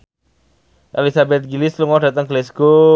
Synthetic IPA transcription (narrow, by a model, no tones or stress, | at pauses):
ʔelisabɛt̪̚ɡilɪsluŋɔdat̪əŋɡəlɛsɡ̥o